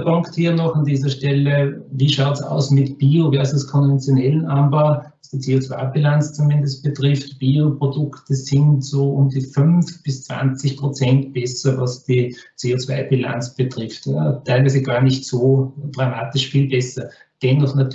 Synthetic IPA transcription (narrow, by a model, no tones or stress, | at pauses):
pʊŋkthiːɐnɔχandiːzɐʃtɛləviːʃaʊtsa̰ʊsmɪtb̥iːovɛɐzʊskʰɔnvɛnt͡sjonɛlənʔambavasd̥iːt͡seːot͡sv̥a̰ɪbilant͡st͡sumɪndəst̚b̥ətʁɪftb̥iːopʁodʊktəsɪntsoːʔʊmdiːfʏnfb̥ɪst͡sv̥a̰nt͡sɪçpʁ̥ot͡sɛntb̥ɛsɐvasd̥iːt͡seːot͡sv̥a̰ɪbɪla̰nt͡sb̥ətʁɪftətʰæɪlvæɪzəɡaːɐnɪçtsoːdʁamaːtɪʃfiːlbɛsɐ | d̥ɛnːɔχnat